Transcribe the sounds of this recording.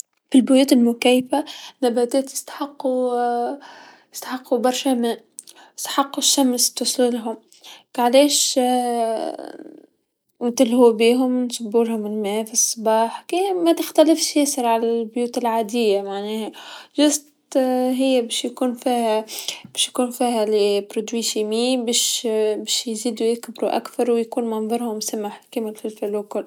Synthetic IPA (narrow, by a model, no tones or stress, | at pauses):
filbʊjuːt̪ɪlmʊkæjfanabæːt̪ɛːt̪jɪ̥st̪ḁħɑqːu | jɪst̪aħɑqːubɑɾˤʃæmæː | ɪ̥st̪ḁħɑqːuʃːamst̪ʊsˤlulɦʊm | kʕaleːʃ | wt̪ɪlhuːbiːɦʊmnsʊbːuːlhʊmɪlmæːfisˤːbɑːħkimæt̪ɪxt̪ælɪfʃjæsɑɾʕalælbjuːt̪ɪlʕaːd̪ɪjːamaʕnɛːhæʒʊsˤt̪ɦɪjːæbɛʃjkuːnfiːhæb̥ɛːʃjkuːnfiːɦælɪpɾod̪wiːʃimiːbɛːʃbɛːʃjziːd̪ujɪkbɾuʔa̰kθɑɾˤwjkuːnmɑnðˤɑɾˤhʊmsæmːaħkæːmɪlfɪlfælukʊl